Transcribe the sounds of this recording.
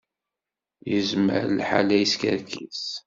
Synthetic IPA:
jəzmə̰ɾlħa̰læjəskəɾkʰis

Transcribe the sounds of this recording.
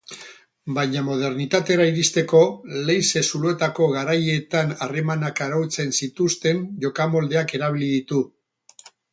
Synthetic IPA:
bajɲamo̞ð̞e̞ɾnit̪at̪e̞ɾaiɾist̪e̞ko̞le̞jse̞sulue̞t̪ako̞ɣaɾaje̞t̪anare̞manakaɾawt͡se̞nsit̪ust̪e̞nʝo̞kamo̞ld̪e̞ake̞ɾaβ̞iliðit̪u

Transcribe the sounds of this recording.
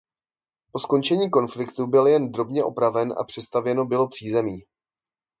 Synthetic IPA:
po̞sko̞nt͡ʃɛɲiːko̞nflɪkt̪ubɪljɛnd̪ɾo̞bɲɛʔo̞pɾavɛnʔa̰pr̥ɛst̪avjɛno̞bɪlo̞pr̝̥iːzɛmiː

